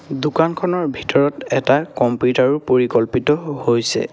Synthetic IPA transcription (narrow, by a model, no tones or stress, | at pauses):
dukankʰɔnɔɹbʱitɔɹɔtɛtakɔmpjutaɹupoɹikɔlpitɔhojsɛ̰